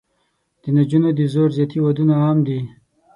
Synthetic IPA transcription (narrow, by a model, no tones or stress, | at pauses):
d̪̥ənad͡ʒunod̪izoɾzjat̪ʰiwad̪unaaːmd̪i